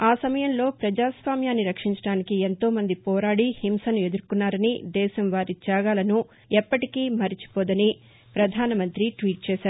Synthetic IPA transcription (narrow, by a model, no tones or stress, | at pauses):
aːsɐmɐjɐmlo̞ːpɾɐd͡ʒaːsʋaːmjaːnːiɾɐkʂiɲt͡ʃɐɽaːnikient̪o̞ːmɐnd̪ipɔːɾaːɽihimsɐnue̞d̪uɾkunːaːɾɐnid̪ɛːʃɐmʋaːɾit͡ʃaːɡaːlɐnu | ɛpːɐʈikiːmɐɾit͡ʃi̥poːd̪ɐni | pɾɐd̪ʱaːnɐmɐnt̪ɾiʈʋiːʈ̚t͡ʃɛːʃaːɾu